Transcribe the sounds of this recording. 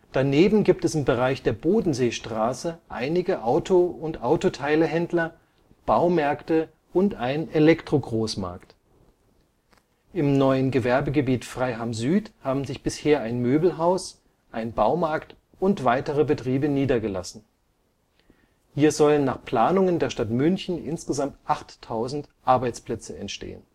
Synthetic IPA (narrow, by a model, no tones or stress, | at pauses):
d̥aneːbm̩ɡiːp̚tɛsɪmbəʁaɪçd̥eːɐboːdn̩zeːʃtʁ̥aːsəʔa̰ɪnɪɡəʔaʊtʰoʊntʔaʊtotʰaɪləɦɛndlɐ | b̥aʊmɛɐktə | ʔʊntʔaɪnnelɛktʁ̥oɡʁoːsma̰ɐkt | ʔɪmnɔʏənɡəvɛɐbəɡəbiːtfʁ̥aɪɦamzyːthaːbm̩zɪçb̥ɪsheːɐaɪnmøːbl̩ɦaʊs | ʔaɪnbaʊmaɐkt | ʊntv̥aɪtəʁəbətʁ̥iːbəniːdɐɡəla̰sn̩ | hiːɐzɔlənːaːχpl̥aːnʊŋəndeːɐʃtatmʏnçn̩ʔɪ̰nsɡ̥əzamtʔaχtʰːaʊzn̩tʔaɐbaɪt͡spl̥ɛt͡səɛ̰ntʃtḛːə̰n